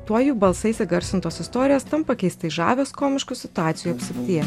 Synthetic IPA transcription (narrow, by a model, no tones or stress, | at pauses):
t̪uɔjuːbɐlˠsɐɪsʲɛɡɐɾʲsʲɪnt̪oːsɪst̪oːɾʲɪjoːst̪ɐmpɐkʲɛɪst̪ɐɪʒɑ̰ːʋʲeːskoːmʲɪʃkʊsʲɪt̪ʊɑːt̪sʲjuɐpʲsʲɪkʲt̪ʲiːɛ